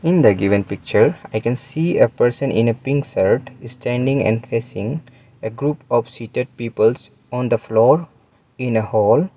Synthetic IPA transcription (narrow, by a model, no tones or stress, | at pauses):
ɪ̃nd̪əɡɪʋə̃npɪk̚t͡ʃəɾaɪkɛ̃nsiːepəɾsə̃nʔɪ̰̃nepĩŋksəɾʈsʈæ̃ɳɖĩŋɛ̰̃ɳɖfesɪ̃ŋ | eɡɾuːpɔʋsiʈeɖ̚piːpəls | ɔ̃nd̪əflɔːɾ | ɪ̃nehɔːl